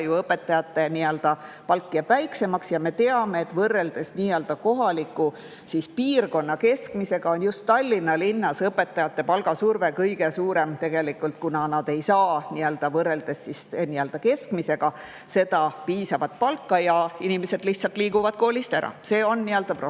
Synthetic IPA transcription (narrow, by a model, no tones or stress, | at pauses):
juɤpːe̞t̪ːɑjɑt̪ːe̞niøld̪̥ɑ | pɑlkːijæb̥væjkse̞mɑksjɑme̞t̪e̞ɑme̞ːt̪ːvɤrːe̞ld̪̥e̞sniːøld̪ɑko̞ɦɑlikːˑu | sispiːrko̞nːɑke̞skmise̞ɡ̥ɑonjust̪ːɑlʲːinːɑlinːɑsɤpːe̞t̪ːɑjɑt̪ːˑe̞pɑlɡ̥ɑsurve̞kɤjɡ̥esuːɾe̞mt̪e̞ɡ̥e̞likːˑult̪̚kunɑnɑd̪̥e̞jsɑːniøld̪̥ɑvɤrːe̞ld̪̥e̞sːisniøld̪̥ɑke̞skmise̞ɡ̥ɑ | se̞d̪ɑpiːsɑvɑt̪̚pɑlkːɑjɑinimese̞d̪̥liçht̪sɑlt̪liːɡuvɑd̪̥̚ko̞ːlʲist̪æɾʔɑ̰se̞ːo̞nːiøld̪ɑpro